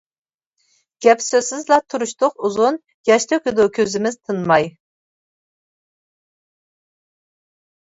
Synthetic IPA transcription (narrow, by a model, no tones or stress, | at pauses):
ɡ̥ʲɛpsøzsɪzlˠɑt̪ʰuɾuʃt̪ʊquzun | jɑʃt̪ʰøkʲɪd̪ukʲʰøzɪmɪzt̪ʰɨnmɑj